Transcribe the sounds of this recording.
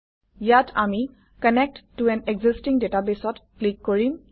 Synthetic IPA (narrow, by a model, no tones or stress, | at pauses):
jatʰami | kənɛk̚ʈːuɛ̃neɡzistĩŋdeʈabesɔtklikːɔɹim